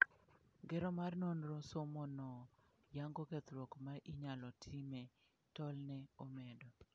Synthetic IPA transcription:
ɡɛɾɔmarnonɾɔsomɔnɔ | jaŋɡoket̪ɾwɔkmaʔiɲalɔtʰimɛ | tɔlnɛomɛdɔ

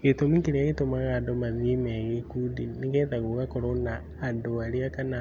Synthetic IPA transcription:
ɣetomikiɾiaɣetomaɣadomaðimeɣikudiniɣeːtaɣuɣakoɾonaː | doaɾiakana

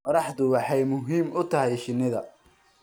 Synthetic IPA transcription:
qɔɾɑħd̪ʊwɑħɑjmʊɦiːmʊt̪ʰɐɦɛjʃɪnːɪðɐ

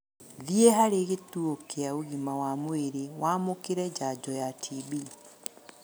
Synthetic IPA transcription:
ðieɦaɾeːɣetuokeauɣimawamweɾewaːmokeɾɛd͡ʒad͡ʒɔjatʰiβi

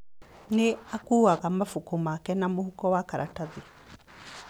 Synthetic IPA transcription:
neakuːaɣamafokomakɛnamohukɔwakaɾʔataði

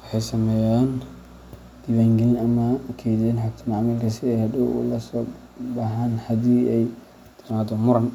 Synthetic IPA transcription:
wɑħɑjsɐmɛːjaːn | d̪̥iwaŋɡɪlɐmɐkʰɛːd̪nħakt̪ʰɐmaʕmɐlkʰɐsɪɛjhɐduʔṵlɐsɔː | bɐɦaːnħɐd̪iːɛj | t̪ʰɪmaːd̪ɔmʊɾɐn

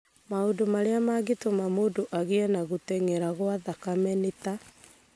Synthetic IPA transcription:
maodomaɾeamaɡetomamodoʔaɣeɛnaɣotɛŋeɾaɣwaðakamɛneta

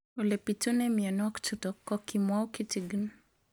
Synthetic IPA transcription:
ulepitunɛmiɔnɔkt͡ʃutɔkːɔkimwaukitiɡn

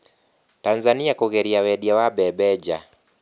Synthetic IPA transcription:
tanzaniakɔɣɛɾiawɛɗiawaɓɛbɛd͡ʒa

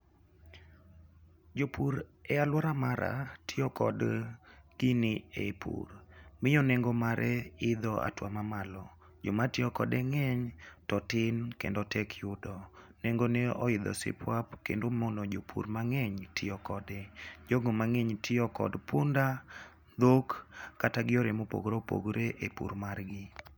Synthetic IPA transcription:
d͡ʒopuɾɛalwɔɾamaɾʔa̰tʰɪɔkɔ̰d | ɡ̥ɪnɪepʰṵrmɪjɔneŋɡomaɾʔɛɪd̪ɔa̰twamamalɔ | d͡ʒomatɪɔkɔ̰dɛŋɛɲtɔtɪnkḛndɔtʰɛkʰjʊdɔneŋɡoneɔ̰ɪd̪ɔ̰sɪ̰pʰwapkḛndomonod͡ʒopʰṵɾmaŋɛɲtʰɪɔkɔdɛd͡ʒoɡomaŋɛɲtʰɪɔkɔ̰dpʊnda | d̪okːataɡɪɔɾemopo̰ɡɾopo̰ɡɾeʔepṵɾmarɡɪ

